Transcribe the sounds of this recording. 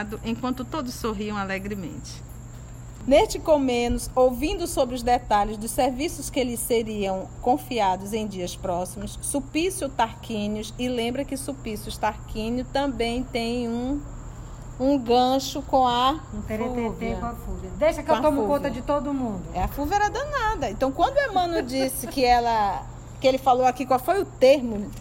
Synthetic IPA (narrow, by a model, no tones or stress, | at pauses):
d̪ʊʔẽj̃kwɐ̃nt̪ʊt̪od̪ʊssoɦiɐ̃w̃alɛɡɾimḛ̃nt͡ʃɪ̥ | nest͡ʃɪkomẽnʊsowvĩnd̪ʊsobɾɪʊzd̪ɛt̪aʎɪzd̪ʊssːeɾvisʊskelɪsseɾiɐ̃w̃kõfiad̪ʊzẽj̃d͡ʒiɐspɾɔsimʊsːupisjʊt̪aɾkĩnjʊsɪlẽmbɾɐkɪsupisjʊst̪aɾkĩnʊt̪ɐ̃bẽj̃t̪ẽj̃ũ | ũɡɐ̃ʃʊkõw̃ɐ̃t̪eɾet̪eõafuvɐd̪ejʃɐkew̃t̪õmʊkõt̪ɐd͡ʒɪt̪od̪ʊmũd̪ʊɛafuvɛɾɐd̪ɐ̃nad̪ɐẽnt̪ɐ̃w̃kwɐ̃nd̪ʊeɾmɐ̃nʊd͡ʒisɪkɪɛlɐ | kɪelɪfalowakikwawfojʊt̪eɾmʊ